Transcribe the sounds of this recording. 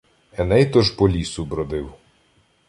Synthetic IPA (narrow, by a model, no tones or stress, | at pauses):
ɛnɛjt̪ɔʒpɔlʲisʊbɾɔd̪ɪw